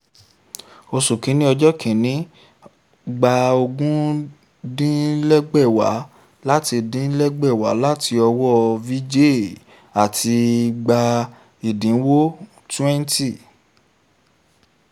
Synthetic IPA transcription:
o˧su˨kĩ˨˦nĩ˦ɔ˧d͡ʒɔ˦kĩ˨nĩ˨˦ | ɡ͡ba˧o˧ɡũ˦ | dĩ˦lɛ˦ɡ͡bɛ˦˨wa̰˨˦ | la˦ti˧dĩ˦lɛ˦ɡ͡bɛ˦˨wa̰˨˦la˦ti˧ɔ˧wɔ˦vi˦d͡ʒe˦˨ | a˨tʰi˧ɡ͡ba˧ | i˨dĩ˨˦wo˦ | tɛ̃˦n˦ti˦˨

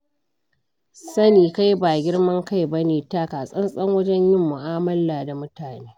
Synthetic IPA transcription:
sɐ˦niː˨ka˦jbaː˨ɡʲɪ˦ɽmɐ˦ŋka˦jbɐ˦neː˨taː˦kaː˨sʼɐ˦nsʼɐ˦ŋwɐ˦d͡ʒɛ˦ɲjɪ˦mːʊ˨ʔaː˦mɐ˦laː˨da˨mʊ˦taː˨neː˦

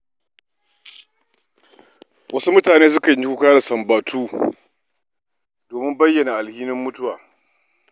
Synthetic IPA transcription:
wʔɐ˦su˦mʊ˦taː˨neː˦s̬ʊ˦ka˨˦ɲi˦kʷu˦kaː˦ɽa˨sɐ˨mbaː˨tʰuː˦ | doː˨mɪ˦mbɐ˦jːɐ˨na˨ʔa˨lhiː˦nɪ˦mːʊ˦tʊ˦waː˨

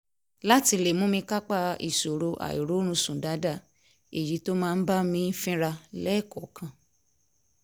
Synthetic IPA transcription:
la˦ti˧le˦˨mũ˦mĩ˧ka˦k͡pa˦˧˨ḭ˨so˨ɾo˧ʔa̰˨ḭ˨ɾo˨˦ɾ̃ũ˧˦sũ˨da˨˦da˦˨ | e˨ji˨˦to˦mãː˦˧n̩˦ba˦mĩ˧˦n̩˦fĩ˦ɾa˧lɛ˦˨kɔ˨˦kã˧

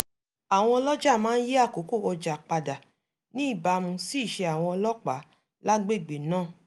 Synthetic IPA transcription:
a˨w̃ɔ̃˧ɔ˧lɔ˦d͡ʒa˦˨mãː˦n̩˦je˦a˦˨ko˨˦ko˦˨ɔ˧d͡ʒa˨k͡pa˧da˨ | nĩ˦i˦˨ba˧mũ˧si˦˨ʃe˧a˨w̃ɔ̃˧ɔ˧lɔ˦k͡pa˨˦ | la˦ɡ͡be˦˨ɡ͡be˨nãː˦˨

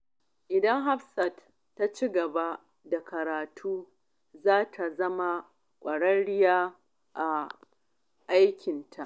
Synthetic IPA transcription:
ʔɪ˨dɐ˦ŋɦa˦ɸsɐ˨t | tːa˦t͡ʃi˦ɡɐ˨ba˦ | da˨kɐ˨ɾaː˨tʰuː˦ | zaː˦tʰa˨zɐ˦ma˨ | kʷʼɐ˨ɽɐ˦nɽɪ˦jaː˦ | ʔa˨ | ʔa˦jkʲʰɪ˨ntʰa˨ʔ

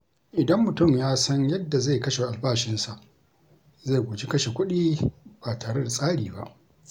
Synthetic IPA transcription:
ʔɪ˨dɐ˦mːʊ˨tʊ˦˨mjaː˦sɐ˦ɲjɐ˦dːa˨za˦˨jkɐ˦ʃe˨ʔa˨lbaː˦˨ʃɪ˦nsa˨ʔ | ze˦˨ɡʷʊ˨d͡ʒi˦kɐ˦ʃe˨kʷʊ˦ɗiː˦baː˨taː˨ɽe˦da˨sʼaː˦ɽiː˨ba̰˦ʔ

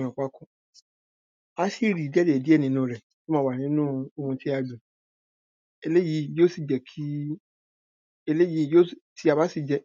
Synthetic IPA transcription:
ɔ̃˨k͡pa˦kũ˦ | a˧si˦˨ɾi˨˦dɛ˦de˨di˦ɛ˦˨nĩ˧˦nũ˦ɾɛ˨ | to˦mãː˦wa˨nĩ˦nũ˦o˧hũ˧ti˦a˧dũ˨ | e˧le˦ji˨˧˦jo˦si˨d͡ʒɛ˨kʰi˦ | e˧le˦ji˨˧˨jo˦˨ti˦a˧ba˦si˦˨d͡ʒɛ˧

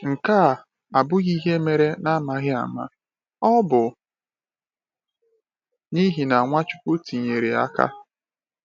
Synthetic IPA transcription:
ŋ̩˨ka˦˨ | a˨bʊ˦ɣi˦ɦe˦me˨ɾe˦na˦ma˨ɣɪ˦a̰˨ma̰˦ | ɔ˦bʊ˨ | ni˦ɦi˨na˨ŋʷa˦t͡ʃʊ˦kʷʊ˦ti˨ɲe˨ɾe˨a̰˦ka̰˦

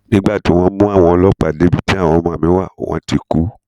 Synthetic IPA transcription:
nĩ˦ɡ͡ba˦˨ti˨˦w̃ɔ̃˧mũ˦a˦˨w̃ɔ̃˧ɔ˧lɔ˦k͡pa˨de˨˦bi˦˨ti˦a˦˨w̃ɔ̃˧mã˦˨mĩ˨˦wa˦˨o̰˨w̃ɔ̰̃˧ti˧ku˦

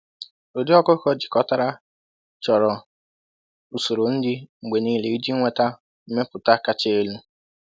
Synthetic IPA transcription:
o˨di˦ɔ˦kʊ˦kɔ˦d͡ʒi̥˨kɔ˦ta˦ɾa˦ | t͡ʃɔ˨ɾɔ˨ | u˨so˨ɾo˨n̩˦dɪ˦ŋ͡m̩˨ɡ͡be˨niː˦le˨i˦d͡ʒi˦ŋʷe˨ta˦ | m̩˦me˦pʊ˨ta˦ka˦t͡ʃe˦e˦lu˦

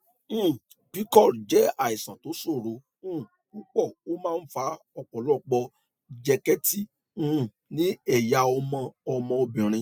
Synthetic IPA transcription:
pi˨˦kɔ˦˨ɾd͡ʒɛ˨˦a˦˨i˨sã˨to˨˦so˦˨ɾõ˨˧˦ | u˦k͡pɔ˦˨o˦mãː˦˧n̩˦fa˨˧˦ | ɔ˧k͡pɔ˨lɔ˦˨k͡pɔ˧ | d͡ʒɛ˧kɛ˦tĩ˦˨˦ | nĩ˦ɛ˦˨ja˨˧ɔ˧mã˧ɔ˧mɔ̃˧o˧bĩ˨ɾ̃ĩ˧

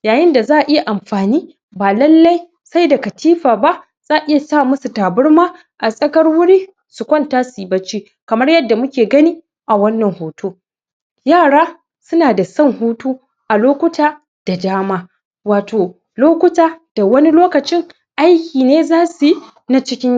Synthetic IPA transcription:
jaː˨jɪ˦nda˨zaː˦ʔʔɪ˦ja˨ʔa˨mɸaː˨niː˦ | baː˨lɐ˦lːɐ˦j | sa˦jda˨kɐ˨tʰiː˦ɸaː˨ba˦ʔ | z̥aː˦ʔɪ˦ja˨saː˦˨mʊ˦su˨taː˨bʊ˦ɽmaː˦ | ʔa˨sʼɐ˦kɐ˦rwʊ˦ɽiː˦ | su˨kʷɐ˦ntaː˦siː˨bɐ˦t͡ʃiː˦ | kɐ˨mɐ˦rjɐ˦dːa˨mʊ˦kʲeː˨ɡɐ˦niː˦ | ʔa˨wɐ˦nːɐ˨ŋhoː˨tuː˦ | jaː˦˨ɽaː˦ | sʊ˦naː˨da˨sɐ˦ŋhuː˦tuː˦ | ʔa˨loː˦kʷʊ˦taː˦ | d̥a˨daː˦maː˦ | waː˨toː˨ | loː˦kʷʊ˦taː˨d̥a˨wɐ˦ni˦loː˦kɐ˨t͡ʃɪ˦ŋ | ʔa˦jkʲiː˨neː˦zaː˦su˨ | na˦t͡ʃɪ˦kʲɪ˦ɲ˦

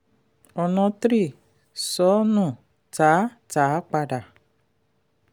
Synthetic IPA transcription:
ɔ˨nɔ̃˧tɾi˦˨ | sɔ˨˦nũ˦˨ | ta˨˦ | ta˨˦k͡pa˧da˨

